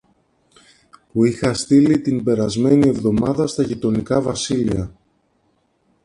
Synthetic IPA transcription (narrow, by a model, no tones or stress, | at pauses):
puixɐst̪ilit̪imbe̞ɾɐzme̞nie̞vðo̞mɐðɐst̪ɐʝit̪o̞nikɐvɐsiliɐ